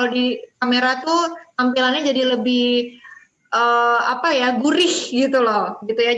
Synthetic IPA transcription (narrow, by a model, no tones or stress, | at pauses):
kalodikameɾat̪ut̪ampilanɲad͡ʒadiləbɪh | ʔəːa̰pajaɡuɾɪhɡit̪ulɔɡit̪uja